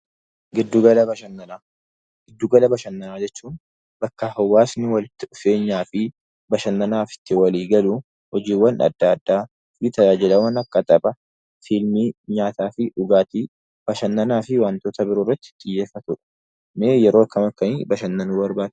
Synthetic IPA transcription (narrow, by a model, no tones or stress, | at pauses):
ɡɪd̪ːuɡɐlɐbɐʃɐnːɐnaː | ɡ̥ɪd̪ːuɡɐlɐbɐʃɐnːɐnaːd͡ʒɛt͡ʃːuːn | bɐkːɐhɐwːaːsnɪwɐlɪt̪ːɪᶑʊfe̞ːɲːaːfɪ | bɐʃɐnːɐnaːfɪ̥t̪ːɪwɐliːɡɐluː | hɔd͡ʒiːwːɐnɐ̰d̪ːad̪ːaː | fɪt̪ɐd͡ʒaːd͡ʒɪlɐwɐnɐkːɐt̪ʼɐpʼɐ | filmiːɲaːt̪aːfɪʔʊɡaːt̪iː | b̥ɐʃɐnːɐnaːfɪwaːnt̪oːt̪ɐbɪɾoːrːɐt̪ːɪ̥t̪ʼɪjːe̞ːfɐt̪ʊᶑɛ̥ | neːjɛɾoːɐkːɐmɐkːɐniːbɐʃɐnːɐnuːbɐɾbaːd̪